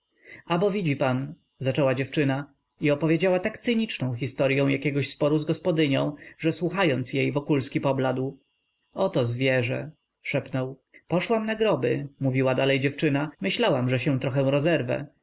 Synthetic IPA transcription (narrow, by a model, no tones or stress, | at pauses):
abɔvʲid͡ʑipan | zat͡ʂɛwad͡ʑɛft͡ʂɘna | iɔpɔvʲjed͡ʑawat̪akt̪sɘɲit͡ʂnɔ̃w̃x̬ʲist̪ɔɾjɔ̃w̃jakʲɛɡɔɕspɔɾuzɡɔspɔd̪ɘɲɔ̃w̃ʐɛswuxajɔnt̪sjejvɔkulskʲipɔblad̪w | ɔt̪ɔzvʲjɛʐɛ̰ | ʂɛpnɔw | pɔʂwamnaɡɾɔbɘmuvʲiwad̪alɛjd͡ʑɛft͡ʂɘnamɘɕlawamʐɛɕɛ̃t̪ɾɔxɛw̃ɾɔzɛɾvɛ̰